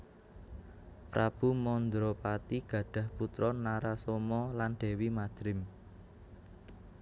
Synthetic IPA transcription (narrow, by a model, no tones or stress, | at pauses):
pɾab̥ṳmɔnd̪ɾɔpat̪iɡ̥ä̤ɖ̥ä̤hput̪ɾɔnaɾasomɔlanɖ̪̥ɛ̤wimad̪̥ɾɪm